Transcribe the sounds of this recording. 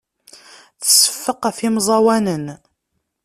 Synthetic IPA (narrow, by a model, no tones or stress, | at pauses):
θə̥sːə̥fːəqæfimzˤɑwænən